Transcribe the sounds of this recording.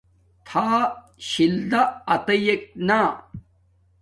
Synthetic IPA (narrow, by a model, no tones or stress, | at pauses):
t̪ʰaː | ɕild̪aːt̪ɐjek̚na